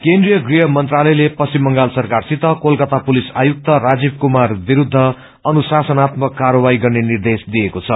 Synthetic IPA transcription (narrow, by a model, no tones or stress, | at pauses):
kend̪rijʌɡriɦʌmʌnt̪ralʌjlepʌsimːʌŋɡalsʌrkarsit̪ʌkolkʌt̪apulisa̰juk̚t̪ʌrad͡zibkumarbiɾud̪ʱːʌ | ʌnusasʌnat̪mʌkːaɾʌbaiɡʌrnenird̪esd̪ijekot͡sʰʌ